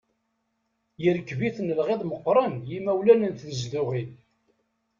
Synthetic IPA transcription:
jəɾəkːviθnəlʁeðˤməqːɾˤənjimæwlænənt̪ðəzðæʁin

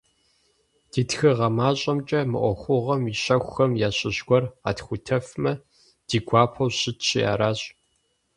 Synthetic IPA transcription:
d̥iːtxɨʁɐmaːɕʼɐmt͡ʃʼɐmɨ̰ʔʷɔxʷʊʁɐmiɕɐxʷxɐmjaːɕɪʑɡʷɔra̰ːtxʷʊtʰɐfmɐ | d̥iːɡʷaːpʰɐwɕɪtɕʰɪja̰ːɾaːɕʼ

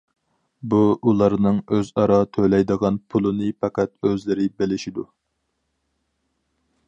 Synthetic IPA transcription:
buulˠɑɾnɨŋøzɑɾɑt̪ʰølɛjd̪əʁɑnpʰulˠɨnɨpʰɑkæt̪̚øzlɪɾɪbɪlɪʃid̪u

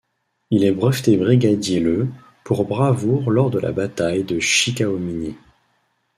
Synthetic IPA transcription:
ilɛbʁəft̪ebʁiɡʲad̪jelə | puʁbʁavuʁlɔʁd̪əlʔa̰bat̪ajd̪əʃikaomini

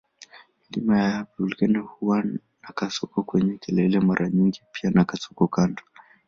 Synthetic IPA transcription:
mlimajaapulkɛnɛhuwa | nakasɔkɔkwɛɲɛkɛlɛlɛmaɾʔaɲiŋɡipianakasɔ̥kɔkandɔ

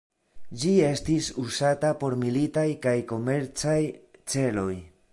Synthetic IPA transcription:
d͡ʒie̞stisusatapo̞ɾmilitajkajko̞me̞ɾt͡sajt͡se̞lo̞j

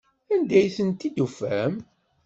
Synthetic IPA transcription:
ænd̪æjθənt̪id̪ufæm

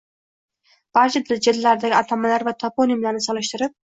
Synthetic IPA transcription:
b̥aɾt͡ʃɪd̪ɪld͡ʒɪd̪lːaɾd̪aɡʲɪat̪ʰamalaɾvat̪ʰɒponimlaɾnɪsɒlˠɪʃt̪ɪɾɪp̚

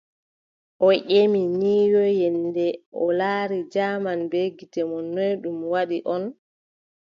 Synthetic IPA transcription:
ʔɔʔeminiːjɔjɛndɛʔɔlaːɾid͡ʒaːmanbeɡitɛmɔnojɗumwaɗiʔɔn

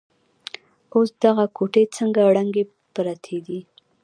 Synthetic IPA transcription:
osd̪̥aɣakʰoʈet͡səŋɡaɽaŋɡe | pɾat̪ʰed̪i

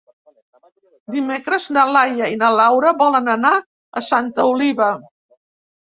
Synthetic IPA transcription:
d̪imekɾəznəlajəinəlawɾəβɔlənəna | ə̰sant̪əuliβə

